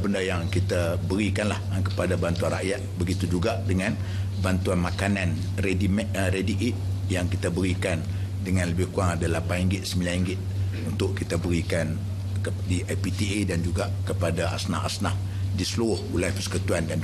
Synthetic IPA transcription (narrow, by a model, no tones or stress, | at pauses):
bəndajaŋkit̪abəɾikanlahkəpadabant̪uanra̰ʔjat̪̚bəɡit̪ud͡ʒuɡaʔdəŋan | bant̪uanmakanan | redimɾediʔit̪̚ | jaŋkit̪abəɾikan | dəŋanləbɪhkuaŋadalapanɦiŋɡɪt̪̚səmbilanhiŋɡɪt̪̚ | unt̪ʊʔkit̪abəɾikan | ədiʔapit̪iedand͡ʒuɡaʔkəpadaʔa̰sna̰ɦa̰snah | disəluɾʊhulajpəskut̪uandan